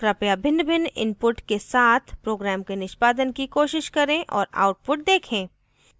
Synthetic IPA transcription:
kɾapjabʱɪ̃nbʱɪnɪ̰npʊʈkesaːt̪ʰpɾoːɡɾɛːmkenɪʃpaːd̪ənkikoːʃɪʃkɐɾẽʔɔ̰ːɾa̰ːʊʈ̚pʊʈ̚d̪eːkʰẽː

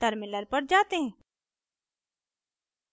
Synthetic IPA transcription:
t̪əɾmɪləɾpɐɾd͡ʒaːt̪eɦɛ̃ː

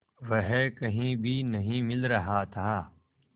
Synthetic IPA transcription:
ʋɐɦkɐɦĩbʱinɐɦĩmɪlɾɐɦat̪ʰaː

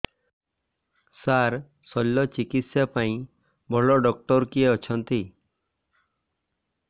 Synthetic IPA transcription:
saɾ | sɔlːɔt͡ʃikit̪sjapaĩ | bʱɔɭɔɖɔk̚ʈɔɾkieɔt͡ʃʰɔnt̪i

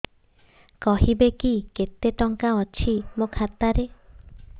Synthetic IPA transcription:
kɔɦibekiket̪eʈɔŋkaɔt͡ʃʰimokʰat̪aɾe

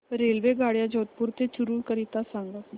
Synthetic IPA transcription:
ɾelʋeɡaɽjad͡ʑot̪̚puɾt̪ʰet͡ɕuɾuːɳkəɾit̪asaŋɡa

